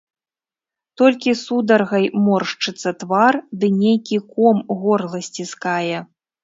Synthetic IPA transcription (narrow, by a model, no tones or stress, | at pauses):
t̪ɔlʲkʲisud̪ɐrɣɐjmɔrʂt͡ʂɨt̪sːɐt̪vard̪ɨnʲejkʲikɔmɣɔrlˠɐsʲt͡sʲiskajɛ